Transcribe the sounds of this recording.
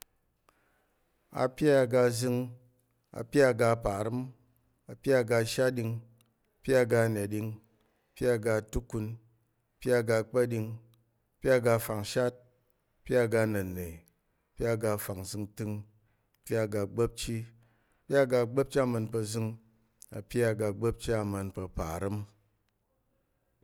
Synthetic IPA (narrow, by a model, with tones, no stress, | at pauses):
a̰˨pʲja˦˨ɡa˧zɨ˦˧ŋ | a̰˨pʲja˦˨ɡa˧˨pa˨ɾɨ˦m | a˨pʲa˦˨ɡa˧ʃa˦t̚ɗʲi˧ŋ˨ | pʲa˦˨ɡa˧na˨ɗi˧ŋ˨ | pʲja˦˨ɡa˧˨tu˦ku˧n˨ | pʲja˦˨ɡa˧k͡pa˦ɗi˧ŋ | ɐ˧pʲa˦˨ɡa˧fa˨ŋʃa˦t̚ | pʲa˦˨ɡa˧nɐ˨ne˨ | ɐ˨pʲa˦˨ɡa˧fa˨ŋzɨ˧ŋtɨ˧ŋ˨ | pʲa˦˨ɡa˧ɡ͡bɐ˦p̚t͡ʃi˦ | ɐpʲa˦˨ɡa˧ɡ͡bɐ˦p̚t͡ʃa˦˨mɐ˧npɐ˧zɨ˧ŋ | ɐ̰˨pʲja˦˨ɡa˧ɡ͡bɐ˦p̚t͡ʃa˦˨mɐ˧npɐ˧pa̰˨ɾɨ˦m